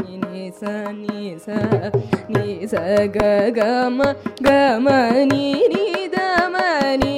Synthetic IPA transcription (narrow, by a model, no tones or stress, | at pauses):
inisɐnisanisɐɡɐɡɐmɐɡɐmɐninid̪ɐmɐni